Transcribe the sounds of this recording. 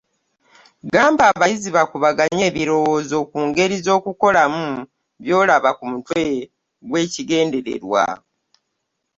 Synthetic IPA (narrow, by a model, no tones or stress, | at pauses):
ɡaːmbaːβajiziβakuβaɡaɲe̞ːβiɾo̞wo̞ːzo̞kuːŋɡe̞ɾizo̞ːkuko̞lamu | βjo̞ːlaβakumutwe̞ | ɡwe̞ːciɡe̞ːnde̞ɾḛɾwa̰